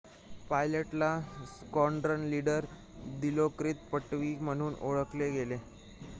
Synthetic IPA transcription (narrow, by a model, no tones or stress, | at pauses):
pajləʈlaskɔɳɖɾənliɽəɾ | d̪ilokɾiːt̪̚pəʈʋiːm̤əɽ̃uːno̰ɭəkleɡele